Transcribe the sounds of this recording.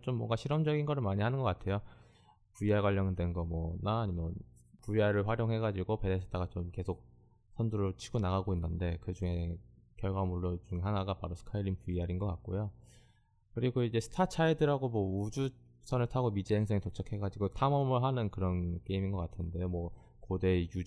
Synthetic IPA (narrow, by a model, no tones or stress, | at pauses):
t͡ɕomːwʌŋɡaɕʰiɾʌmd͡ʑʌɡinɡʌɾɯɭmaɲihanɯnɡʌk͈atʰe̞jo | puiaɭɡwaʎːʌnɯndwe̞nɡʌmwʌnaːɲimʌpuiaɾɯɭɸwaɾjoŋɦe̞ɡad͡ʑiɡope̞desʰe̥t͈ʰaɡat͡ɕomke̞sʰok̚ | sʰʌnduɾot͡ɕʰi̥ɡonaɡaɡoinːɯnde̞kɯd͡ʑuŋe̞kjʌɭɡwamuɭːot͡ɕuŋeɦanaɡapaɾosʰɯ̥kʰailinpuiaɾinɡʌk͈at̚k͈ojo | kɯɾiɡoid͡ʑe̞sʰɯ̥tʰat͡ɕʰaedɯɾɦaɡomwʌud͡ʑu | sʰʌnɯɭtʰaɡomid͡ʑieŋsʰeŋitot͡ɕʰʌkʰhe̞ɡad͡ʑiɡotʰamʌmɯɭɦanɯnkɯɾʌnk͈e̞iminɡʌk͈atʰɯnde̞jomwʌ | kode̞ju